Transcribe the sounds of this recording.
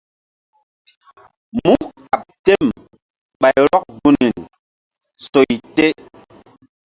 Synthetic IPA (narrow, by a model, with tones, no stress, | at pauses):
mu˦ka˨p̚te˦m | ɓa˨jɾɔ˦k̚ɡu˦ni˨n | so˨jte˦